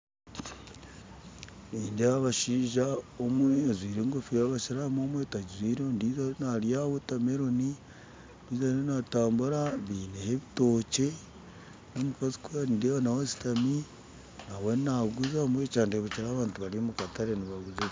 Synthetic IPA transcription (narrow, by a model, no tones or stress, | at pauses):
niːndiaβaʃiːʒaomweazwiːɾeŋɡofiaβaʃiɾamoːmwetaɟizwiːɾendiːzanaɾjawetameɾo̞ni | βiːzaenataːmbuɾaβiːneheβito̞ce̞ | nomufazi̥kuandewanawesi̥tami | nawennaɡuzamwet͡ʃaːndeβeciɾaːβaːntuβaɾiomukataɾeniβaɡuze